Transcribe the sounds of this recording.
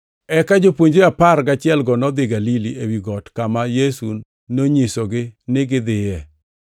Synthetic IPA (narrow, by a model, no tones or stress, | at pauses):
ɛkad͡ʒopwoɲd͡ʒeaparɡat͡ʃɪɛlɡɔnɔd̪ɪɡaliliʔewiɡɔtkamajesun | noɲisoɡɪnɪɡɪd̪ɪjɛ